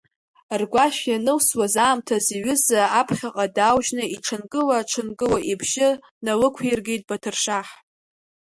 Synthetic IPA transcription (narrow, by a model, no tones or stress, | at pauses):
rɡʷaʃjanɨwswazaːmtʰaziɥʏzaːpʰχʲaqʼadawʒnɨiʈ͡ʂʰɨnkʼɨlaʈ͡ʂʰɨnkʼɨwaʔibʒɪ | nalɨkʷʰerɡʲejtʼbatʰɨrʂaħ